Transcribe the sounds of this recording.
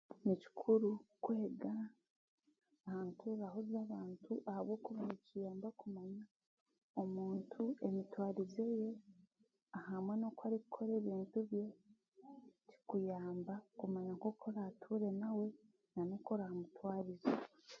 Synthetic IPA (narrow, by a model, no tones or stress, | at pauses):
nici̥kʰuɾukweːɡa | haːntʰuɾaɦozaβaːntʰuʔahaβwo̞ːkuβanicijaːmbakumaɲa | o̞muːntʰue̞mitwaːɾize̞je̞ | ahamwe̞no̞kwaɾikukʰo̞ɾe̞ːβiːntuβje̞ | ci̥kujaːmbakumaɲaŋko̞kʰo̞ɾatʰuɾe̞nawe̞ | nanoko̞ɾahamutwaːɾiza